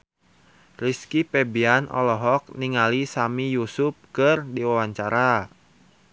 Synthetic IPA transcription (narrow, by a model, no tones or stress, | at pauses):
riskipɛbianʔɔ̰lɔɦɔk̚niŋalisamijusup̚kɨrdiwawaɲt͡ʃaɾa